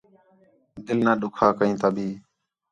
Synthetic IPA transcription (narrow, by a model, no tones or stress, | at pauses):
d̪ɪlnãːɗʊkʰaːkəĩːt̪aːbʱiː